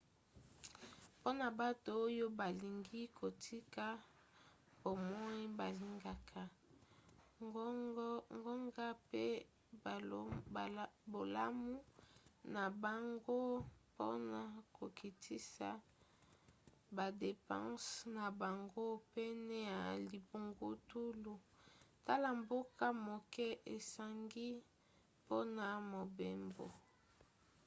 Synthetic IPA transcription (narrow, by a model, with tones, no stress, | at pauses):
po˦na˨ba˦to˨o˦jo˦ba˨li˨ŋɡi˦kʰo˨tʰi˦ka˦ | bo˨mɔ˦i˦ba˨li˨ŋɡa˦˨kʰa˨ | ŋɡɔ˦ŋɡa˦pe˦˨˦ | bo˨la˦mu˦na˨ba˨ŋɡo˦po̰˦na˨ko˨ki˨tʰi˦sa̰˨ | ba˨de˨pã̰˦sna˨ba˨ŋɡo˦pe˦nɛ˦ja˨li˨bu˨ŋɡu˦tu˦lu˨ta˦la˨mbo˦ka˦mo˨kɛ˦ʔe˨sa˨ŋɡi˦ | po˦na˨mo˨be˦mbo̰˨